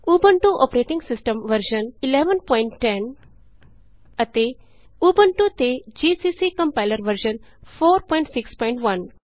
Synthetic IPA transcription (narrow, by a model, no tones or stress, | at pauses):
uːbəɳʈuʔopɾeːʈĩŋɡsɪsʈə̃mʋəɾʃənɪleːʋənpɔ̃ːɪɳʈːen | ɐt̪e | uːbəɳʈut̪ed͡ʒisisikɐ̃mpaɪləɾʋəɾʃənfʰoːɾpɔ̃ːɪ̃ɳʈsɪkspɔ̃ɪɳʈʋɐn